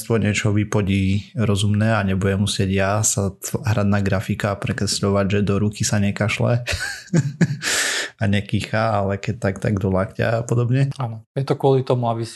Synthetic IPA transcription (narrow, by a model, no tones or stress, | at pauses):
st̪ʋɔɲɪɛt͡ʃɔʋipɔɟiːɾɔzumnɛːaɲɛbujɛmːusɪɛɟjasatʋaɦɾad̪naɡɾafikaːpɾɛkɾɛsʎɔʋaɟʒɛd̪ɔɾukisaɲɛkaʃlɛ̰ | aɲɛkixaalɛkɛc̚t̪akt̪aɡd̪ɔlakca̰apɔd̪ɔbɲɛanɔjɛt̪ɔkʊɔlit̪ɔmuabis